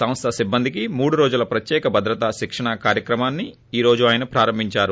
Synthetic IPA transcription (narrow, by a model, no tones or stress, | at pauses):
sɐmɐst̪ʰɐsibːɐnd̪ʱikimuːɽuɾo̞ːd͡ʒulɐpɾɐt̪jɛːkɐbʱɐd̪ɾɐt̪aːʃikʂɐɳɐkaːɾjɐkɾɐmaːnːi | iːɾo̞ːd͡ʒuaːjɐnɐpɾaːɾɐmbʱiɲt͡ʃaːɾu